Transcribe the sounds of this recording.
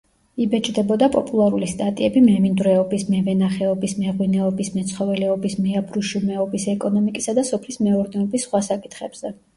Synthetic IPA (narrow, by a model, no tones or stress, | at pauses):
ibɛt͡ʃʼd̪ɛbɔd̪apʼɔpʼulˠaɾulist̪ʼat̪ʼiɛbimɛmind̪ɾɛɔbismɛvɛnaχɛɔbismɛʁwinɛɔbismɛt̪sʰχɔvɛlɛɔbismɛabɾuʃumɛɔbisɛkʼɔnɔmikʼisad̪asɔpʰlismɛɔɾd̪ɛɔbisːχwasakʼi̥t̪ʰχɛb̥z̥ɛ